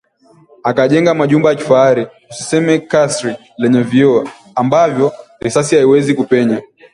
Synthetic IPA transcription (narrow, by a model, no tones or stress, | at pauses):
akaʄɛŋɡamaʄumbajaki̥faaɾi | usi̥sɛmɛkasɾik | lɛɲɛviɔ | ambavjɔɾisas̬ihaiwɛzikupɛɲa